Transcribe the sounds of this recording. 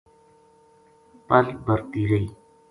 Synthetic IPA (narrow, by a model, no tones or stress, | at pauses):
pəlbəɾt̪iːɾəiː